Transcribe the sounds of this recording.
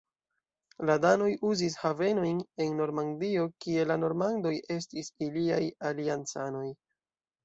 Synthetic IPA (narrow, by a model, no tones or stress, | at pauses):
ladano̞juzis̬have̞no̞jne̞nːo̞ɾmandio̞kie̞lano̞ɾmando̞jʔe̞s̬tisiliajaliant͡sano̞j